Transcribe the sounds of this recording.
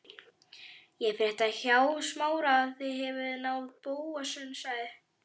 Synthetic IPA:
jɛɣfɾɛht̪açaːwðsmaːwɾaθiɦɛvʏðnaːwðpoːwasʏnsaɣðɪ

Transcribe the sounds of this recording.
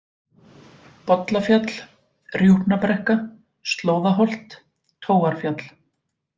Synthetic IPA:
pɔt̪lafjat̪l̥ | rjuhpnapɾɛhka | st̪loːwðaɦɔl̥t̪ʰː | oːwaɾ̥fjat̪l

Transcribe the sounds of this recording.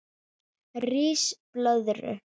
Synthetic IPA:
riːsplœðɾʏ̰

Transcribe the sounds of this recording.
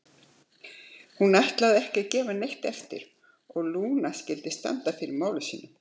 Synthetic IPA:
hunajht̪laðɪɛhcɛcɛːvanejht̪ɛft̪ɪ̰ɾ̥ | ɔɣluːnascɪlt̪ɪst̪a̰nt̪afɪɾɪɾmaːwlʏsiːnʏ

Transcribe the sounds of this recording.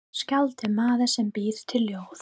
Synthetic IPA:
scalt̪ɪmaːðasɛmpiːɾ̥t̪ʰɪllːjoːwθ

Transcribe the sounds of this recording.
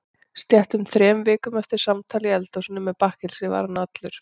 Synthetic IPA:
st̪jɛht̪ʏmθɾɛːmvɪːkʏmɛft̪ɪɾ̥samt̪ʰaːlɪɛlt̪owsɪnːʏmːɛpahkɪl̥sɪva̰ːɾanat̪lʏɾ̥

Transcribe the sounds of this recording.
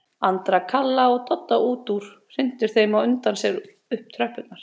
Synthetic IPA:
ant̪ɾakʰalːaɔɣt̪ɔt̪ːaʔuːt̪uɾ̥ | r̥ɪn̥t̪ɪɾ̥θejmawʏnt̪ansɛɾ | ʏhp̚t̪ʰɾœhpʏt̪naɾ̥

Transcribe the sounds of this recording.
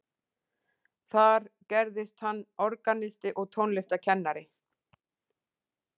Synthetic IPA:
θaɾcɛɾðɪst̪hanːɔɾkanɪst̪ɪʔɔɣt̪ʰownlɛst̪acʰɛnːaɾɪ

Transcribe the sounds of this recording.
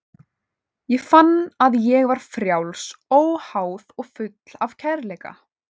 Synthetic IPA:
jɛɣfanːaðjɛɣvaɾ̥fɾjawlsoːwhaːwðɔɣfʏt̪l̥avcʰɛɾleːjka̰

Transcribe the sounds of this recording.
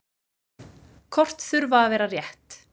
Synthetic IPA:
kʰɔr̥t̪θʏɾvaːðvɛːɾarjɛht̪

